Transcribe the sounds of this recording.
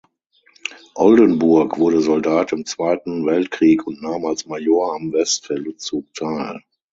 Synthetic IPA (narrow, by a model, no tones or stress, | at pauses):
ʔɔldənbʊɐkv̥ʊɐɾəzɔldaːtɪmt͡sv̥aɪtn̩vɛltkʁ̥iːkʰʊntnaːmalsmajoːɐamvɛstfɛlʊt͡suːk̚tʰaɪl